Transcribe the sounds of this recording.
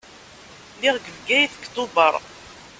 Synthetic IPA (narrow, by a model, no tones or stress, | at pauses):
liʁɡəvɡæjθəkt̪ʊbəɾˤ